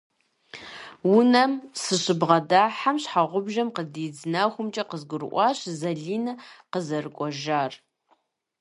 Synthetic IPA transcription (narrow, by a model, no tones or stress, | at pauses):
wʊnɐmsɨɕɨbʁɐdaːħamɕħaʁʷʊbʒɐmqədiːd͡znaxʷʊmt͡ʃʼɐqəzɡʷʊɾɨ̰ʔʷɑːɕzɐɮiːnɨqəzɐrɨkʷʼɔʒaːr